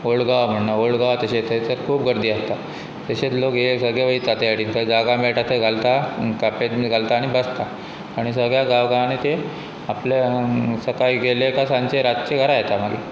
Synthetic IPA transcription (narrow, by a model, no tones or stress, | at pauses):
oɭɡaʋm̤əɳnaoɭɡaʋt̪əɕet̪ʰet͡səɾkʰuːpɡəɾd̪iːast̪a | t̪eɕet͡slokjesəɡjeʋəit̪at̪eaɽiːnt̪əd͡zaɡameɭʈat̪eɡʱalt̪akapet̪mɡʱalt̪aːɽ̃ibəst̪a | aɽ̃isəɡɭjaɡaʋɡaʋanet̪e | aplesəkajɡelekasãɲt͡ɕeɾatt͡ɕeɡʱəɾajet̪amaɡḭ